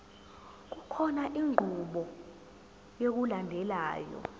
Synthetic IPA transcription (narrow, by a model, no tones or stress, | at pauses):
k̬ukʰɔnaʔiŋʱuɓɔ | jok̬ulandʱɛlaːjɔ̰